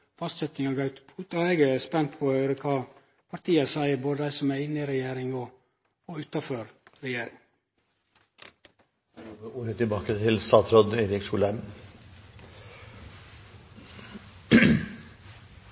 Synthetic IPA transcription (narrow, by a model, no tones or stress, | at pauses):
fɑst̪sɛt̪ɪŋɑɡɑʉt̪pʰuːt̪ɑeːɡəspɛnt̪pʰɔʉɾəkʰɑː | pʰɑɾʈ̪ʰiːəsæɪəboːd̪əd̪æɪsɔmæɪnːɪɾɛjeːɾɪŋɔː | ʉːt̪ɑføːɾɾɛjeːɾɪ̰ŋ | oəuːɾət̪ʰɪlbɑːkət̪ʰɪlst̪ɑːt̪sɾɔd̪eːɾɪksuːlæm